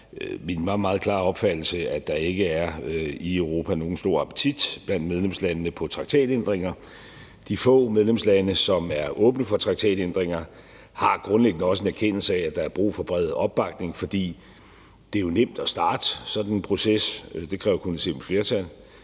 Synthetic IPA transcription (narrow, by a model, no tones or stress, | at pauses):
minmɑ̈ːmɑ̈ːð̩ˠkʰlɑ̰̈ːɒ̽b̥fæd̥l̩səæd̥ɑ̈e̝ɡ̥əæɐiøʊʁo̝ːpʰæno̝ːn̩sd̥o̝ɐ̰ɑ̈pʰə̥t͡sʰid̥b̥læn̰d̥með̞ˠlemslænəːəpʰɒ̽t͡sʰʁɑ̈ɡ̥̚t͡sʰɛ̰ːd̥end̥ʁeŋ̰ɐ | d̥ifɔ̰̽ːmeð̞ˠlemslænəsɒ̽mæɐʔɔ̽ːb̥nəfɒ̽t͡sʰʁɑ̈ɡ̥̚t͡sʰɛ̰ːd̥end̥ʁeŋ̰ɐ | hɑ̈ɡ̥ʁɔ̽nleɡ̥nəɒ̽səe̝næɐkʰen̰l̩səææ̥ɑ̈æɐb̥ʁṵːfɒ̽b̥ʁɛð̩ˠɒ̽b̥̚ːɑ̈ɡ̥ne̝ŋfɒ̽d̥ḭː | d̥e̝æjo̝nem̰d̥ɒsd̥ɑ̈ːd̥əsɒ̽dnepʰʁo̝sesd̥e̝kʰʁɛːʊɐkʰunəse̝̰ːm̥̩fle̝ɐt͡sʰæl̰